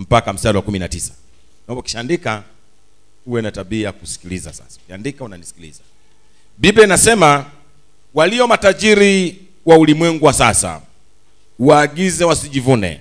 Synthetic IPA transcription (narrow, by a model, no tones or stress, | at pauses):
m̩pakam̩sadiwakuminatisḁ | naɔmbauki̥ʃaːndika | uwɛnataɓiːjakusi̥kiliza̰sa̰sḁukiandikaunanisi̥kilḭza | bibɛnasɛma | waliɔmataʄiɾi | waulimwɛŋɡuwasasa̰ | uwaːɡizɛwasiʄivunɛ̰